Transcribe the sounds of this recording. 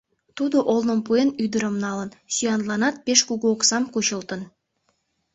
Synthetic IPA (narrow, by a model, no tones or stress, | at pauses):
t̪ud̪əʔolˠnə̆ŋpujənyd̪ə̆ɾə̆mnɑlˠə̆nsʲijɑnt̪lˠɑnɑt̪̚pʲeʃkuɡoksɑmkuɕə̆lˠt̪ən